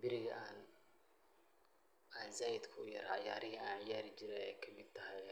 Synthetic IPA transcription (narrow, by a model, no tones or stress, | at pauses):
bɪɾɪɣɐʔaːn | alzaːjɪd̪kʰʊjɐ̰ɾʕɑ̰ja̰ːɾɪɦiaːnʕɪjaːɾɪd͡ʒɪɾɛɛjkʰɐmɪd̪̚t̪ʰɐɦɛj